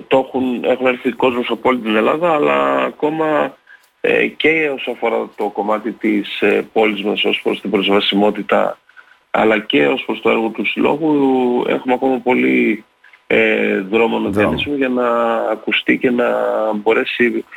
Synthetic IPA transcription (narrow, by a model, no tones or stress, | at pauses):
t̪o̞xune̞xune̞ɾθiko̞zmosɐpoolit̪ine̞lɐðɐːlɐ̰ːko̞mɐ | ḛce̞o̞soɐfo̞ɾɐt̪o̞ko̞mɐt̪it̪ispo̞lizmɐso̞spɾo̞st̪ibɾo̞zvɐsimo̞t̪it̪ɐ̰ | ɐ̰lɐce̞o̞spɾo̞st̪o̞e̞ɾɣo̞t̪usilo̞̰ɣuḛxumeɐko̞mɐpo̞li | eðɾo̞monoðiɐnismoʝɐnɐːkust̪ice̞nɐbo̞ɾe̞si